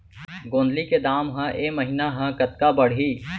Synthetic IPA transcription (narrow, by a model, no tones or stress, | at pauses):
ɡõːnd̪liked̪aːmɦɐ̃ʔeːmɐɦiːnaɦɐ̃kɐt̪kabɐɽɦiː